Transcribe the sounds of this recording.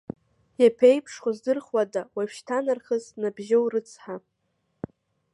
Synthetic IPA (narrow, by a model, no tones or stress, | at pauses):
japʰejpʰʂχʷozdɨrχwadawaʃʃtʰanarχəznabʒowrɨt͡sʰħa